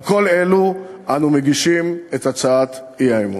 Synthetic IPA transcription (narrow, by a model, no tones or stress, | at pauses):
koleluʔanumeɡiʃimetat͡saat̪ | iajmu